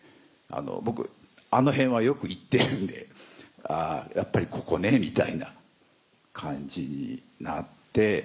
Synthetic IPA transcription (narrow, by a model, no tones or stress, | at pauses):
a̰no̞̰bo̞kɯ̟̰ | ano̞ɦẽ̞ɰ̃βajo̞kɯ̟it̪ːe̞ɾɯ̟̃nd̪e̞̰aːjʔapːaɾʲikʰo̞̥ko̞ne̞mʲit̪aina | kʰãɲd͡ʑiɲ̟ḭ | nat̪ːe̞